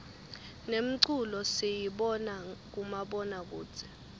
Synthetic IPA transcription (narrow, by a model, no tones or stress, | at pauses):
nem̩ǀulɔsijiɓɔnak̬umaɓɔnak̬uːt͡sʰɛ̥